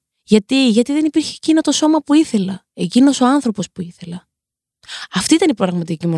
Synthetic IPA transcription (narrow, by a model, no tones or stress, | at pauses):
ʝɐt̪iʝɐt̪iðenipiɾçeːcino̞t̪o̞so̞mɐpuiθe̞lɐ | e̞cino̞so̞ɐnθɾo̞po̞spuiθe̞lɐ | ɐft̪iit̪ɐnipɾɐɣmɐt̪icimo